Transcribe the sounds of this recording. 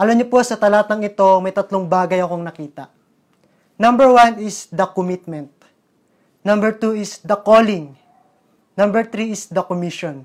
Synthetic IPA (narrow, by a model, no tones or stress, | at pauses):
ʔɐlɐmɲopo̞sɐt̪ɐlaːt̪ɐŋɪt̪o̞ŋmɐjt̪ɐt̪loŋbaːɡɐjɐkoŋnɐkiːt̪ɐ̰ʔ | nɐmbɛɹwanɪsd̪ɐkomit̪̚mɛnt̪̚ | nɐ̃mbɛɹt̪uɪsd̪ɐkolɪŋ | nɐ̃mbɛɹt̪ɾiɪsd̪ɐkomiʃon